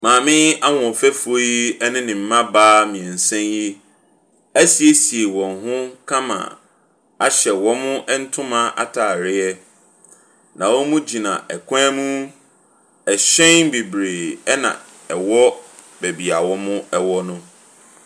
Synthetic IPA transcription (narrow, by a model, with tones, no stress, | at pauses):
mãː˨mɪ̃˦a˦wɔ̃˨fɛ˦fo˦i˦ɛ˦nɪ̃˦nɪ̃˨m̩˨mã˦baː˦mɪ̃˨ɛ̃˨n̩˨sɛ̃˦nji˦ | æ˦si˨e˦si˨e˨wɔ̃˨nɦʊ̃˦kʰã˦mã̰˨ | a˨ɕɛ˨wɔ̃˦mʊ̃˦ʔɛ˦n̩˦tʰʊ̃˦mã˦ʔa̰˦tʰaː˨ɾɪ˦ɛ˦ | nã˨wɔ˦mũ˦d͡ʑi˨nã̰˨ʔɛ˨kʷʰaɛ̃˦mũ˦ | ɛ˨ɕɛ̃˦nbi˨bɾeː˨ɛ˦nã̰˨ | ɛ˨wɔ˦ | bæ˨bi˨a˨wɔ̃˦mʊ̃˦ɛ˦wɔ˦nʊ̃˦